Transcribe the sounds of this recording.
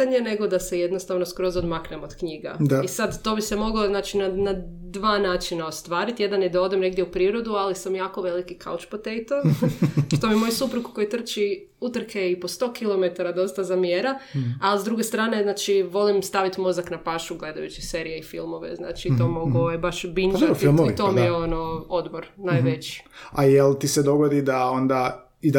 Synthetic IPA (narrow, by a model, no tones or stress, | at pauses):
aɲe̞ne̞ɡo̞d̪ase̞jed̪nost̪aʋnoskɾo̞zod̪maknemo̞d̪kɲiɡa̰isad̪t̪o̞ːbise̞mo̞ɡoznaːt͡ʃinanad̪ʋaːnaːt͡ʃinaost̪ʋaːɾit̪je̞d̪anjed̪ao̞d̪emne̞ɡd̪jeupɾiːɾo̞d̪ualisamjaːko̞ʋe̞likikʰa̰ut͡ʃpot̪ejt̪o | ʃt̪omimo̞jusupɾukuko̞jit̪r̩t͡ʃi | ut̪r̩keipo̞st̪o̞ːkilˠo̞met̪aɾad̪o̞st̪azamjeɾaalizd̪ɾuɡe̞st̪ɾaːne̞znaːt͡ʃiʋo̞limst̪aʋit̪mo̞zaknapaʃuɡle̞d̪ajut͡ʃise̞ːɾijeifḭlˠmo̞ʋḛzna̰ːt͡ʃit̪oːmo̞ɡojebaʃbind͡ʒoatfilmmoʋḭt̪omieonood̪boɾnajʋet͡ʃi̥ajelt̪ised̪o̞ɡod̪id̪ao̞nd̪a | id̪